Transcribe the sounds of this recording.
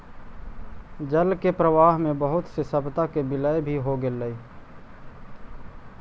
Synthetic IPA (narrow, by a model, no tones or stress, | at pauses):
d͡ʒəlkepɾəʋaːɦmẽbəɦʊt̪sesəbt̪akebɪləebʱiɦoɡeləi